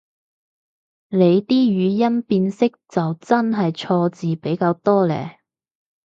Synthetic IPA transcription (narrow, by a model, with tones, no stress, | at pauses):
le˨˧jt̪iː˥jyː˨˧jɐ˥npiː˧nsɪ˥k̚t͡sɐ˨wt͡sɐ˥nɦɐ˨jt͡sʰɔː˧t͡siː˨pe˨˥jkaː˧wt̪ɔː˥lɛ̰ː˨˩